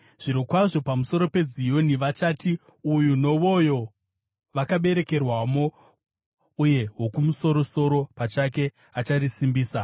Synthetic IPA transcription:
ʐ̥iɾokwaʐo̞pamuso̞ɾo̞pe̞zijo̞niʋat͡ʃaːti | ujuno̞ʋo̞jo̞ | ʋakaɓe̞ɾe̞ke̞rwamo̞ | uje̞ɦo̞kumuso̞ɾo̞so̞ɾo̞pat͡ʃake̞ | at͡ʃarisimbiːsa

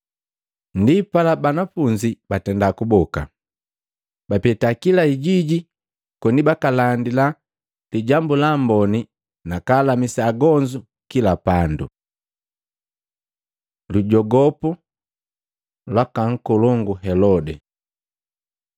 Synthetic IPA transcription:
ndipalabanafuɲd͡ʒibatɛndakubɔka̰ | bapɛtakilaiɟiɟi | kɔnibakalandila | liɟambulambɔni | nakaːlamisaːɡɔɲd͡ʒu | kilapandṵ | luɟɔɡɔpu | lwakaŋ̩kɔlɔŋɡuɦɛlɔdɛ

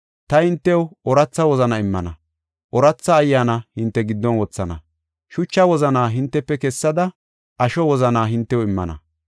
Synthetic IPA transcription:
t̪ɐhɪnt̪ːɛwɔɾɐt͡sːɐwɔzɐnɐɪmːɐ̰nɐ | ʔɔɾɐt͡sːɐːjːaːnɐhɪnt̪ːɛɡɪd̪ːɔnwɔt͡sːɐnɐ̰ | ʃʊt͡ʃːɐwɔzɐnaːɦɪnt̪ːɛpːɛkɛsːɐd̪ɐ | ʔɐʃɔwɔzɐnaːɦɪnt̪ːɛwɪmːɐ̰nɐ̰

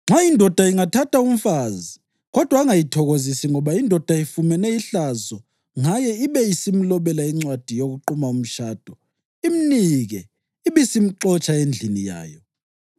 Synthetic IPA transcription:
ŋ͡ǁwaindʱɔd̥ʱaiŋatʰatʰaum̩fazi | ɣɔd̥ʱwaːŋajitʰɔɣozisiŋɔβaindʱɔd̥ʱaifumɛnɛiɬazɔ | ŋajɛiβɛisim̩lɔβɛlaiŋ͡ǀwad̥ʱijoɣuǃumaum̩ʃaːd̥ʱɔ | iminiɣɛ | iβisim̩ǃɔt͡ʃʼaend͡ɮʱinija̰ːjɔ

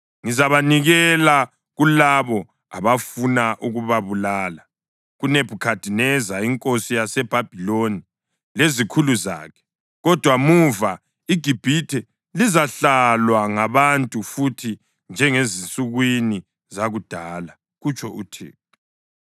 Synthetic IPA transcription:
ŋizaβaniɣɛla | ɣulaβɔ | a̰βafunaʔuɣuβaβulaːla | ɣuneb̥ʱukʰad̥ʱinɛzaiŋkʼosijasɛb̥ʱab̥ʱiloni | lezikʰuluza̰ːkʰɛ̥ | ɣɔd̥ʱwamuva | iɡ̥ʱib̥ʱitʰɛ | lizaɬalwaŋaβantʼufutʰi | nd͡ʒʱɛŋezinsʼuɣwini | zaɣud̥ʱaːla | ɣut͡ʃʼʰɔʔutʰḛː | ɔ

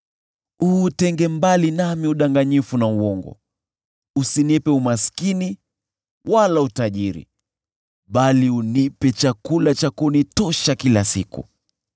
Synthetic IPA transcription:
uːtɛŋɡɛmbalinamiuɗaŋɡaɲifunauwɔŋɡɔ̰ | usinɛpɛumaskini | walautaʄiɾḭ | ɓaliunipɛt͡ʃakulat͡ʃakunitɔʃakilasḭkṵ

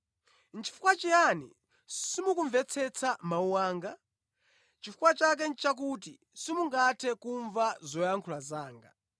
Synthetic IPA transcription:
nt͡ʃʰi̥fu̥kwat͡ʃijanḭ | simukuɱvɛt͡sʰɛt͡sʰamauwaːŋɡa | t͡ʃifukwat͡ʃak̬ɛnt͡ʃak̬ut̬i | simuŋɡatʰɛkuɱvazɔjaŋkʰulazaːŋɡa̰

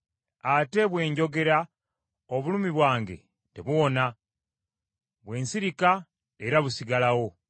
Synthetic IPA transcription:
ate̞βwe̞ːɲɟo̞ɡe̞ɾa | oβulumiβwaːŋɡe̞̰ | te̞βuona | βwe̞ːnsiɾika | e̞ɾaβusiɡalawo̞

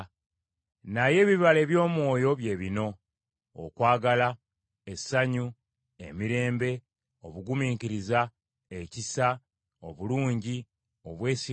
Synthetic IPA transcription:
naje̞ːβiβale̞ːβjo̞ːmwo̞ːjo̞βje̞ːβino̞̰ː | kwaːɡala | esaɲu | ḛmiɾe̞ːmbe̞ | o̞βuɡumiːŋkiɾiza | ecisa | oβuluːɲɟi | o̞βwe̞ːsi

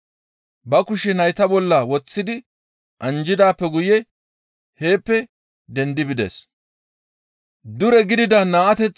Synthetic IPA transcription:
bɐkʊʃɛnɐjt̪ɐbɔlːɐwɔt͡sːɪd̪ɪ | ʔɐnd͡ʒɪd̪aːpːɛɡʊjɛ | he̞ːpːɛ | d̪ɛnd̪ɪbɪd̪ɛ̰s | d̪ʊɾɛɡɪd̪ɪd̪ɐnaːʔɐt̪ɛt͡sː

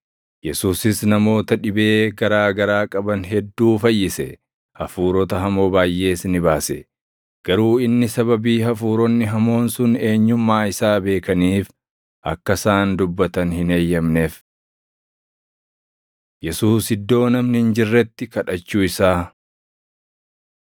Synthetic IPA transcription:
jɛsuːsɪsnɐmo̞ːt̪ɐᶑɪbe̞ːɡɐɾaːɡɐɾaːkʼɐbɐnɦɛd̪ːuːfɐjːɪsɛ | hɐfuːɾɔt̪ɐɦɐmo̞ːbaːjʔːe̞ːsnɪbaːsɛ̰ | ɡ̥ɐɾuːɪnːɪsɐbɐbiːɦɐfuːɾɔnːɪɦɐmo̞ːnsʊne̞ːɲːʊmːaːɪsaːbe̞ːkɐniːf | ʔɐkːɐsaːnd̪ʊbːɐt̪ɐnhɪne̞ːjːɐmneːf | jɛsuːsɪd̪ːo̞ːnɐmnɪhɪnd͡ʒɪrːɛt̪ːɪkɐᶑɐt͡ʃːuːɪsaː

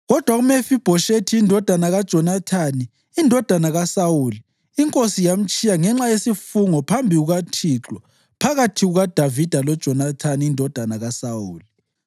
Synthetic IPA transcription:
ɣɔd̥ʱwaɣumefib̥ʱɔʃetʰiindʱɔd̥ʱanaɣad̥ʒ̥ʱɔnatʰaniː | ndʱɔd̥ʱanaɣasawuliː | ŋkʼosijam̩t͡ʃʼijaŋɛŋ͡ǁajesifuŋɔpʰambʱiɣuɣatʰiǁɔ | pʰaɣatʰiɣuɣad̥ʱavid̥ʱalɔd̥ʒ̥ʱɔnatʰaniːndʱɔd̥ʱanaɣasawuːli

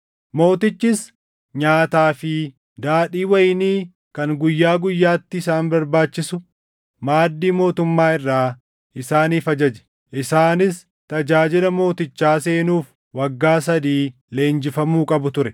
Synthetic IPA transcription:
mo̞ːt̪ɪt͡ʃːɪs | ɲaːt̪aːfɪ | d̪aːᶑiːwɐjniː | kɐŋɡʊjːaːɡʊjːaːt̪ːɪɪsaːnbɐɾbaːt͡ʃːɪsʊ | maːd̪ːiːmo̞ːt̪ʊmːaːɪrːaː | ʔɪsaːniːfɐd͡ʒɐd͡ʒɛ̥ | ʔɪsaːnɪs | t̪ɐd͡ʒaːd͡ʒɪlɐmo̞ːt̪ɪt͡ʃːaːse̞ːnuːf | wɐɡːaːsɐd̪iː | le̞ːnd͡ʒɪfɐmuːkʼɐbʊt̪ʊɾɛ

